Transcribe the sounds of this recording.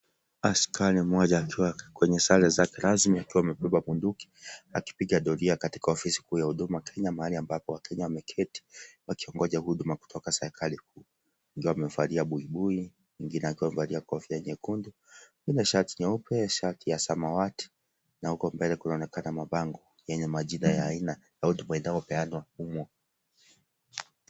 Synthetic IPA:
askʰalimɔʄaːkʰiwakwɛɲɛsalɛzakɛɾazmiakiwamɛpɛbamunduki̥a̰ki̥piɡaɗɔliakati̥kaɔfisi̥kuːjahuɗumakʰɛɲamaaliambapɔwakʰɛɲawamɛkʰɛti̥wakiɔŋɡɔʄaɦuɗumaku̥tʰɔkasɛɾɛkʰalikuː | iŋɡiwaamɛufaliaɓuiɓui | iŋɡinɛakiwam̩valiakɔfiaɲɛkundu | winaʃaɾtiɲɛupɛʃaɾtijasamawati̥ | nahukɔmbɛlɛkunaɔnɛkanamaɓaŋɡɔ | jɛɲɛmaʄinajaːina | jautumaɛndaɔpɛanwahumwɔ

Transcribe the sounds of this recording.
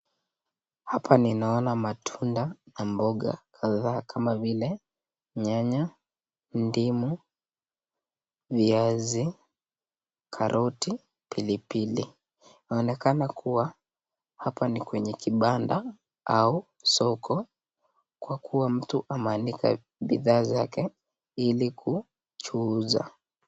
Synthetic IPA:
hapʰaninaɔnamatʰundanambɔɠa̰kʰaðaːkʰamavilɛ | ɲaɲa | ndimu | viazi | kʰaɾʔɔti | pilipili | naɔnɛkanakʰuwa | hapanikwɛɲɛkʰiɓanda | ʔau | sɔkʰɔ | kwakʰuwam̩tuʔamanikʰa̰ | ɓiðaːzakɛ | ilikʰu | t͡ʃuːza̰

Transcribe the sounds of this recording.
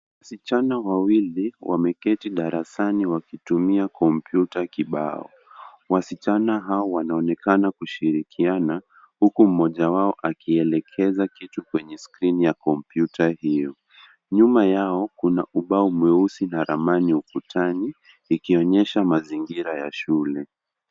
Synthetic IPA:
wasit͡ʃanawawiliwʔa̰mɛkɛtiɗaɾasaniwakitumiakʰɔmpjutakiɓa̰ɔ̰ | wasit͡ʃanaɦaɔwanaɔnɛkanakuʃiɾikʰiana | hukum̩mɔʄawaɔʔakʰiɛlɛkʰɛzakitukwɛɲɛskɾinijakɔmpjutʰahijɔ | ɲumajaɔkunaʔuɓaumwɛusinaɾamaniukutʰaniː | kiɔɲɛʃamaziŋɡiɾajaʃulɛ

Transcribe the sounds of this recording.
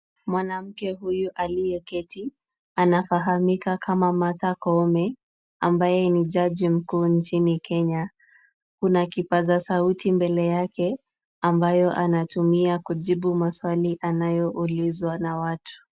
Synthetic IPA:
mwanam̩kɛɦujuʔalijɛkɛti | anafaɦamikakʰamamatakɔmɛ | ambajɛniʄaʄim̩kuːnt͡ʃinikʰɛɲa | kunakipazasautimbɛlɛjakɛ | ambajɔʔanatumiakuʄiɓumaswaliʔanajɔʔulizwanawatʰu̥

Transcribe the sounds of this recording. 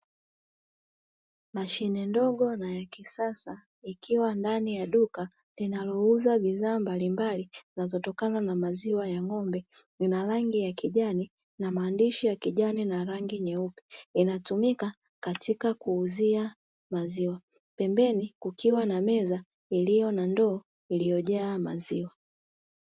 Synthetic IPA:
maʃinɛndɔɠɔnajakisasa | ikʰiwandanijaɗuka | linalɔuzaɓizaːmbalimbalizinazɔtɔkananamaziwajaŋɔmbɛ | inaɾaŋɡijakiʄani | namaːndiʃijakiʄaninaɾaŋɡiɲɛupi̥inatumika | katikakuːzia | maziwa | pɛmbɛnikukiwanamɛza | ilijɔnandɔː | ilijɔʄɛamaziwa

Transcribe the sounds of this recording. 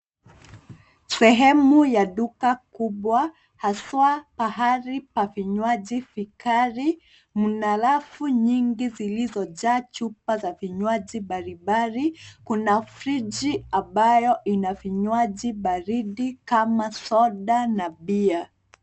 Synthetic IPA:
sɛɦɛmujaɗukakuɓwa | haswapaɦaɾipafiɲwaʄifikaɾi | munalafuɲiŋɡizilizɔʄaːt͡ʃupazaviɲwaʄiɓaɾiɓaɾikunafɾid͡ʒiambajɔʔinafiɲwaʄiɓaɾiɗikamasɔɗanaɓia

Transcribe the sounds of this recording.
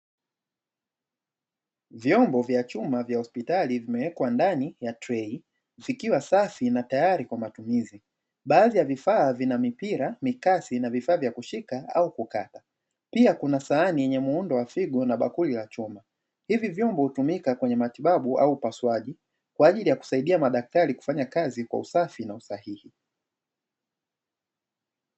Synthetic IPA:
vjɔmbɔvjat͡ʃumavjahɔspitalivimɛwɛkwandanijatɾɛi | vikiwasafinatajaɾikwamatumizi | ɓaːðijavifaːvinamipiɾamikasinavifaːvjakuʃikaaukukata | piakunasaːnijɛɲɛmuundɔwafiɠɔnaɓa̰kulilat͡ʃɔma | hivivjɔmbɔhutumikakwɛɲɛmatiɓaɓuʔa̰uːpaswaʄi | kwaːʄilijaku̥saiɗiamaɗak̚taɾiku̥faɲakazikwa̰usafinausahihi

